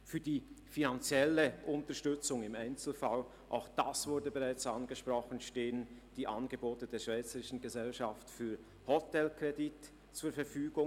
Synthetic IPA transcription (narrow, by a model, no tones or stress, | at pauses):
fyːɐdiːfinant͡sjɛləʔʊntəɐʃtʏt͡sʊŋɪmaɪnt͡sl̩fal | ʔa̰ʊxd̥asv̥ʊɐdəbeʁaɪt͡sanɡəʃpʁ̥ɔχn̩ʃteːənd̥iːʔanɡəboːtəd̥eːɐʃv̥aɪt͡səʁɪʃn̩ɡəzɛlʃaftfyːɐ | hɔtɛlkʁedit | t͡suːɐfɛɐfyːɡʊŋ